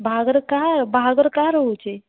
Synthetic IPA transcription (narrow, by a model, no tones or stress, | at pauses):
bʱaɡəɾkabʱaɡəɾkaɾəɦut͡ʃe